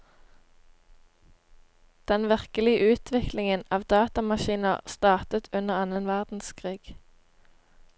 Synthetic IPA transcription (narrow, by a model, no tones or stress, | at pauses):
d̪̥ɛnʋɪʁkəlɪəʔʉːt̪ʰʋɪklɪŋənɑːʋd̪ɑːt̪ɑmɑʃiːnə̰ʁst̪ɑːʁt̪ət̪ʰʉnəʁɑnənʋæʁd̪n̩skʰʁiːɡ̥